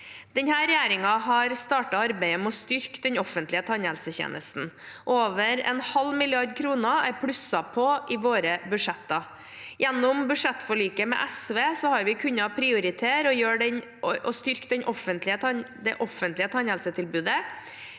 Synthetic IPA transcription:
d̪̥ɛɲhæːɾɛjæːɾɪŋɑɦɑɾst̪ɑːʈɑɑɾbæɪəmɛɔst̪ʏɾkd̪ɛɲɔfənt̪lɪət̪ʰɑnhɛlsəçḛːnəst̪n̩ | ʔoːʋəɾɛ̰nhɑlmɪlɪɑɾd̪kʰɾuːnəæɾpʰɽʉsɑpʰɔʔɪʋoːɾəbʉʂɛt̪ːɑ | jɛnːʊmbʉʂɛt̪ːfɔɭyːkəmɛ̰ʔɛsʋeːsɔhɑɾʋɪkʰʉɲːɑpʰɾɪʊɾɪt̪ʰeːɾɔjøːɖɛn | ɔst̪ʏɾkd̪ɛɲʔɔfənt̪lɪət̪ʰɑd̪ɛʔɔfənt̪lɪət̪ʰɑnhɛlsət̪ʰɪlbʉːd̪ə

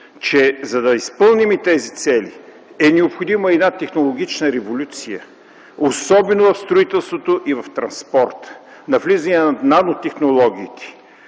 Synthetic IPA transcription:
t͡ʃɛzɐd̪ɐispɤlˠnimit̪ɛzit̪sɛli | ɛnɛopxod̪iməɛd̪nat̪ɛxnolˠoɡ̟it͡ʃnəɾɛvolʲut̪sijə̰ | osɔbɛnovɐfst̪ɾoit̪ɛlˠst̪vot̪oʔivɐft̪ɾɐnspɔɾt̪ | nɐvlizɐniɛnanot̪ɛxnolˠɔɡ̟ʲiːt̪ʰɛ̥

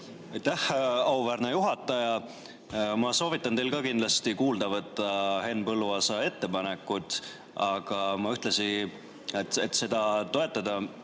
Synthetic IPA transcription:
ɑjt̪ːæhɑwvæːɾnejuɦɑt̪ːˑɑjɑ | mɑso̞ːvit̪ːˑɑnt̪e̞jlkɑkind̪lɑst̪ikuːld̪ɑvɤt̪ːˑɑhe̞npɤlːuɑsɑe̞t̪ːe̞pɑne̞kːˑut̪ | ɑɡ̥ɑmɑyht̪lesi | et̪et̪ːse̞d̪̥ɑt̪o̞e̞t̪ːˑɑd̪̥ɑ

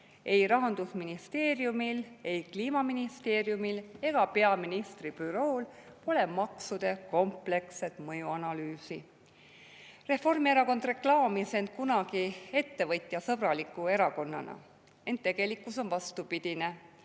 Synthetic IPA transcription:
e̞jɾɑɦɑnd̪̥usminist̪e̞ːrjumile̞jkliːmɑminist̪e̞ːrjumile̞ɡ̥ɑpe̞ɑminist̪rib̥yɾo̞ːlpo̞le̞mɑksud̪̥e̞ko̞mple̞kse̞t̪mɤjuɑnɑlyːsi | re̞fo̞rmie̞ɾɑko̞nd̪re̞klɑːmise̞nt̪̚kunɑɡ̥ie̞t̪ːe̞vɤt̪ʲˑjɑsɤb̥rɑlikːˑue̞ɾɑko̞nːɑ̰nɑ̰ | e̞nt̪ːe̞ɡ̥e̞likːˑuso̞nvɑst̪upid̪̥ine̞

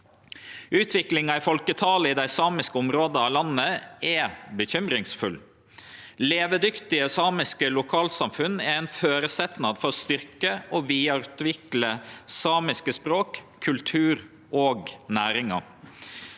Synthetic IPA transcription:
ʉːt̪ʰʋɪklɪŋɑɪfɔlkət̪ʰɑːləɪd̪æɪsɑːmɪskəʊmɾoːd̪əɑːlɑnːəɛbəçʏmɾɪŋsfʉl | leːʋəd̪ʏkt̪ɪəsɑːmɪskəlʊkʰɑːlsɑmfʉnɛɾæɪnføːɾəsɛt̪nɑd̪fɔɾɔst̪ʏɾkəɔʋiːɑɾʉt̪ʋɪkləsɑːmɪskəspɾoːkʰːʉlt̪ʰʉːɾ | ʔoːɡnæːɾɪŋɑ̰

